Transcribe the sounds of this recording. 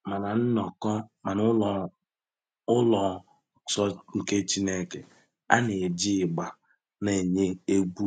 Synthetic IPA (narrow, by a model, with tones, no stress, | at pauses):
ma˨na˨n̩˦nɔ˨kɔ˦ma˨nʊ˦˨ | ʊ˦lɔ˨ | sɔ˦ŋ̩˨ke˦t͡ʃi˦ne˦˨ke˨ | a̰˦ne˨e˨d͡ʒi˦˨ɡ͡ba˨ | ne˨ɲe˦e˦ɡʷu˦